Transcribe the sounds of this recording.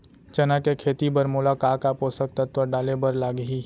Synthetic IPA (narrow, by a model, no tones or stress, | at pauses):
t͡ʃɐnakekʰeːt̪ibɐɾmʊlakaːkapoːsək̚t̪ɐt̪ʋəɖaːlebɐɾlaːɡəɦiː